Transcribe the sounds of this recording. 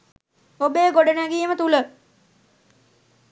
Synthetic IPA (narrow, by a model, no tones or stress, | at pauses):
obejɡoɖənæɡiemət̪ulə